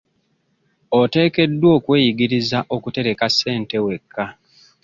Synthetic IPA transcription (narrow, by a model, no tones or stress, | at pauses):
ote̞ːke̞dːwo̞ːkwe̞ːjiɡiɾizaʔo̞kute̞ɾe̞kase̞ːnte̞we̞kʰːa